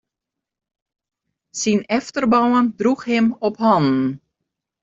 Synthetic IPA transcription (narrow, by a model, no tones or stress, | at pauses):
sinɛftərbɔwəndruxhɪmɔpɦɔnn